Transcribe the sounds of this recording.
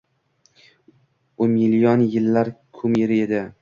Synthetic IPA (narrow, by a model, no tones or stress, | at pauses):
ʊnmilijɒnjɪlːaɾkʰʊmeɾɪed̪ɪ